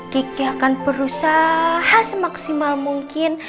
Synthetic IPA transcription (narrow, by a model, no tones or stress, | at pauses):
kikiakanpəɾusahasmaksimalmuŋkɪn